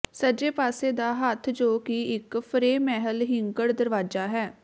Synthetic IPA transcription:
səd͡ʒeːpaːseːd̪aːɦət̪ʰd͡ʒoːkiɪkpʰəɾeːmɛɦəlɦɪŋɡəɽd̪əɾʋaːd͡ʒaːɦɛː

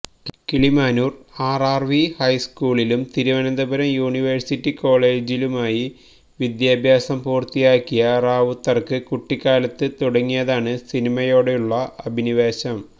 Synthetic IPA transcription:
kiɭimaːnuːraːraːrʋihɐjskuːɭilumt̪iɾuʋɐnɐnd̪ɐbɐɾɐmjuːɳiʋɐrsitːiko̞ːɭe̞ːd͡ʑilumaːji | ʋid̪jaːbʱjaːsɐmpuːrt̪ijaːkːijɐraːʋut̪ːɐrkɨkuʈːikːaːlɐt̪ːɨt̪uɽɐŋːijɐðaːɳɨsinimɐjo̞ːɽejuɭːɐɐbʱiniʋeːɕɐm

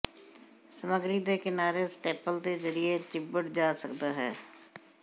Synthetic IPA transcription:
səməɡɾiːd̪eːkɪnaːɾeːsʈeːpəld̪eːzəɾɪeːt͡ʃɪbəɽd͡ʒaːsəkd̪aːɦɛ̰ː

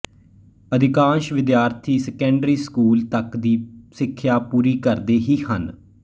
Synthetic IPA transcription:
əd̪ɪkãːʃʋɪd̪jaːɾt̪ʰiːsɛkɛ̃ːɳɖɾiːskuːlt̪əkd̪iːsɪkʰːjaːpuːɾiːkəɾd̪eːɦiːhən

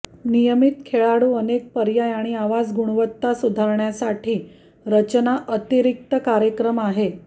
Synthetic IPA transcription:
nijəmit̪kʰeɭaɽuːənek̚pəɾjajaɽ̃iaʋad͡zɡuɽ̃ʋət̪ːasud̪ʱaɾɳjasaʈʰiː | ɾət͡ɕnaʔət̪iɾik̚t̪əkaɾjəkɾəmaɦe

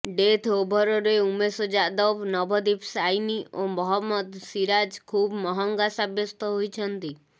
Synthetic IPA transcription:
ɖet̪ʰɦobʱɔɾɔɾeumesɔd͡ʒad̪ɔbnɔbʱɔd̪ipsajniʔomɔɦɔmːɔd̪siɾad͡ʒkʰuːbmɔɦɔŋɡasabjɔst̪ɔɦojt͡ʃʰɔnt̪i

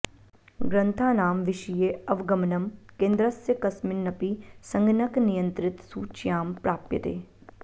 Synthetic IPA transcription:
ɡɾɐ̃nt̪ʰaːnaːmʋɪʃijeːɐʋɡɐmnɐmkẽːnd̪ɾɐsjəkɐsmɪnːɐpisɐ̃ŋɡnɐknijə̃nt̪ɾɪt̪suːt͡ʃjaːmpɾaːpjə̰t̪ḛː

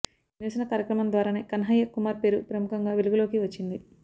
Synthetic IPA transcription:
niʋɐsɐnɐkaːɾjɐkɾɐmɐnd̪ʋaːɾaːneːkɐnɦɐjɐkumaːɾpe̞ːɾupɾɐmukɐŋɡaːʋeluɡulo̞ːkiʋɐt͡ʃːind̪i

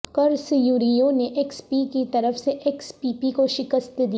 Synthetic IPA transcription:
kɐɾsijuːɾijõneʔɛkspikit̪ɐɾəfseʔɛkspiːpikoʃɪkəst̪d̪i

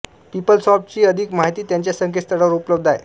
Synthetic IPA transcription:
pipəlsɔp̚t͡ɕiːəd̪ʱiːkmaɦit̪iːt̪jaɲt͡ɕjasəŋkʰest̪ʰəɽəʋɾupləb̚d̪ʱaj̰

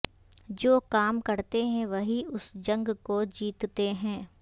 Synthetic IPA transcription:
d͡ʒoːkaːmkɐɾt̪eɦɛ̃ʋɐɦiʊsd͡ʒɐ̃ŋɡkod͡ʒiːt̪t̪eɦɛ̃ː

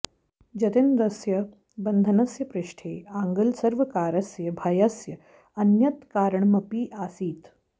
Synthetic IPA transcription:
d͡ʒɐt̪inɾɐsjɐ | bɐnd̪ʱɐnɐsjɐpɾɪʂʈʰeːaːŋɡɐlsɐɾʋɐkaːɾɐsjɐbʱɐjɐsjɐ | ɐnjɐt̪kaːɾəɳmɐpiːʔaːsiːt̪

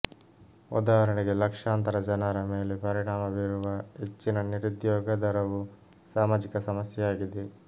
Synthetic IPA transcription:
ud̪aːɦɐɾɐɳiɡe̞lɐkʂaːnt̪ɐɾɐd͡ʒɐnaɾɐmeːlepɐɾiɽaːmɐʋiɾuʋɐɦet͡ʃːinɐniɾud̪jɔːɡɐd̪ɐɾɐʋu | saːmaːd͡ʒikɐsɐmɐsjɐjaːɡid̪e

